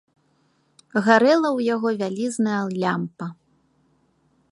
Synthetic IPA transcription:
ɣaɾɛlˠɐwjaɣɔvʲalʲiznɐjɐlʲampɐ

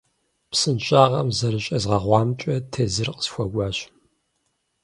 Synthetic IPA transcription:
psɨnɕʼaːʁɐmzɐɾɨɕʼɐzʁɐʁʷɑːmt͡ʃʼɐtʰeːzɨrqə̥sxʷɐɡʷɑːɕ

